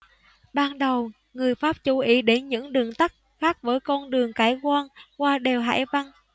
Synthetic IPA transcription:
ɓaː˧nɗə˨˩w | ŋɨ˨˩əjfaː˦˥p̚t͡ɕu˨˧˦ʔi˨˦ɗe˨˦nɲɨ̰˧˥ŋɗɨ˨˩əŋt̪a˦˥k̚ | xaː˦˥k̚vəː˨˦jkɔ˧nɗɨ˨˩əŋkaː˧˩jkwaː˧nkwaː˧ɗe˨˩wɦa̰ː˧˩jva˧n

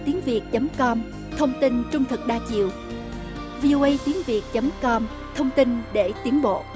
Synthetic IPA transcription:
t̪i˨˦əŋvi˨˩ək̚t͡ɕə˨˦mkɔ˧m | t̪ʰə˧wŋ͡mt̪i˧nt͡ɕʊ˧ŋ͡mt̪ʰɨ˨˩k̚ɗaː˧t͡ɕḭ˧˨əw | vi˧ʔo˧ʔə˧jt̪i˨˦ənvi˨˩ək̚t͡ɕə˨˦mkɔ˧m | t̪ʰə˧wŋ͡mt̪i˧nɗe˧˩t̪i˨˦ənɓo̰˧˨

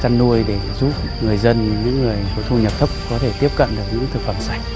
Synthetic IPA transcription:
t͡ɕa˧nːu˧əjɗe˧˩zu˦˥p̚ | ŋɨ˨˩əjzə˧nɲɨ̰˧˥ŋːɨ˨˩əjso˨˦jt̪ʰu˧ɲə˨˩p̚t̪ʰə˦˥k͡p̚kɔ˨˦t̪ʰe˧˩t̪i˦˥əp̚kə̰˧˨nɗɨ˨˩ək̚ɲɨ̰˧˥ŋt̪ʰɨ˨˩k̚fə˧˩msa˦˩jk̟̚

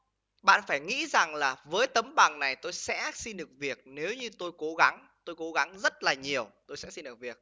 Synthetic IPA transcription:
ɓa̰ː˧˨nfaː˧˩jŋḭ˧˥za˨˩ŋlaː˨˩vəː˨˦jt̪ə˨˦mɓa˨˩ŋna˨˩jt̪o˧jsɛ̰˧˥si˧nɗɨ˨˩ək̚vi˨˩ək̚ne˨˦wɲɨ˧t̪o˧jko˨˦ɣa˨˦ŋ | t̪o˧jko˨˦ɣa˨˦ŋzə˦˥t̚laː˨˩ɲi˨˩əwt̪o˧jsɛ̰˧˥si˧nɗɨ˨˩ək̚vi˨˩ək̚

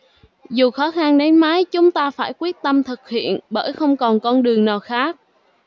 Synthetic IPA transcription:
zu˨˩xɔ˨˦xa˧nɗe˨˦nmaː˨˦jt͡ɕʊ˨˦ŋ͡mt̪aː˧faː˧˩jkwi˦˥ət̚t̪ə˧mt̪ʰɨ˨˩k̚hḭ˧˨ənɓə̰ː˧˩jxə˧wŋ͡mkɔ˨˩nkɔ˧nɗɨ˨˩əŋnaː˨˩wxaː˦˥k̚

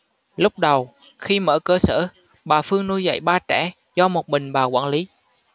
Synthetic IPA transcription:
lʊ˦˥k͡p̚ɗə˨˩w | xi˧mə̰ː˧˥˩kəː˧sə̰ː˧˩ | ɓaː˨˩fɨ˧əŋnu˧jza̰˧˥˨jɓaː˧t͡ɕɛ̰˧˩ | zɔ˧mo˨˩t̚mï˨˩ŋ̟ɓaː˨˩kwaː˧˩nli˨˦

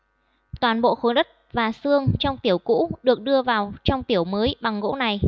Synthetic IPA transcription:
t̪waː˨˩nɓo̰˧˨xo˨˦jɗə˦˥t̚vaː˨˩sɨ˧əŋt͡ɕɔ˧wŋ͡mt̪i˧˩əwkṵ˧˥ɗɨ˨˩ək̚ɗɨ˧əvaː˨˩wt͡ɕɔ˧wŋ͡mt̪i˧˩əwməː˨˦jɓa˨˩ŋɣo̰˧˥na˨˩j

